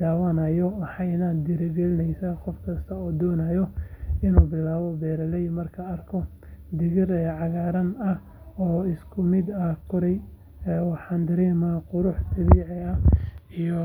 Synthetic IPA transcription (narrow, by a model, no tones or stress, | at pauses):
d̪aːwɐnɐjɔwɑħɑjnɐd̪ɪɾɛβɛlɪnɛjsɐqɔfkʰɐst̪ʰɐɔːd̪ɔːnɐjɔɪnuːbɪlaːβɔbɛːɾɐlɛjmɐrkʰɐɐrkʰɔ | d̪ɪɣɪrɛːʕɑɣaːɾɐnɐh | ɔːɪskʰʊmɪd̪ɐkʰʊɾɛj | ɛwɑħɑːnd̪ɐɾiːmaːqʊɾʊħd̪ɐβiːʕɪɐijɔ